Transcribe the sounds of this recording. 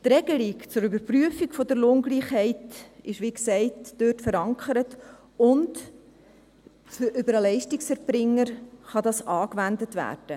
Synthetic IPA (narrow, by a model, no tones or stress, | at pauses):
tɾɛɡ̥əlikt͡sʊɾybəɾpryəfiɡfɔdəɾloːŋɡliːχhɛɪtɪʃʋiksɛɪtd̥øːtfəɾɑŋkʰəɾət | ʊnt | fʔybəɾəlɛɪʃtiksɛɾpɾɪŋːəɾχɑdɑsɑːkʋændətʋæ̰ːɾd̥ə